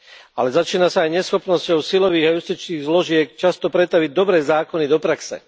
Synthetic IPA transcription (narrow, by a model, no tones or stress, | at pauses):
a̰lɛzat͡ʃiːnasaːjɲɛsxɔpnɔscɔʊsilɔʋiːɣajust̪it͡ʃniːɣzlɔʒɪɛk̚t͡ʃast̪ɔpɾɛt̪aʋiɟ̚d̪ɔbɾɛːzaːkɔnid̪ɔpɾaksɛ̰